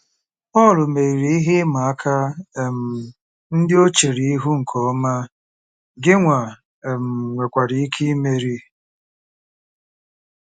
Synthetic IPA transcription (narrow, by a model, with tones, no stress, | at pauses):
pɔ˦˨lʊ˨me˨ɾi˨ɾi˨i˦ɦɪ˦ma˨a˦kʰa˦e˨m̩˨ | n̩˦dɪ˦o˦t͡ʃe˨ɾi˨i˦ɦu˦ŋ̩˨kʰɔ˨˦ma˦ | ɡɪ˦ŋʷa˨ | m̩˨ŋʷe˨kʷa˨ɾi˨i˦kʰi˦i˦me˦ɾi˦